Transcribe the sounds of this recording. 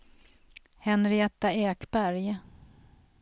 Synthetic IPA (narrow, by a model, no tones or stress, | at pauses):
hɛnɾɪɛt̪ːaɛːkbæɾj